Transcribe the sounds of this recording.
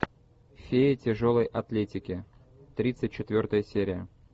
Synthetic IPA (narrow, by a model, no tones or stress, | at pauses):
fʲeɪtʲɪʐo̞lˠəjʔɐt̪lʲetʲɪkʲɪ | t̪ɾʲit̪sɨt̚ʲt͡ɕːɪt̪vʲo̞rt̪əjəsʲeɾʲɪjə